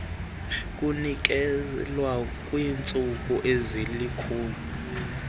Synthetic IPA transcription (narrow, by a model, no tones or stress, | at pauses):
k̬ʼunik̬ɛlwakʼwiːnt͡sʼuk̬uʔezilikʰuːlu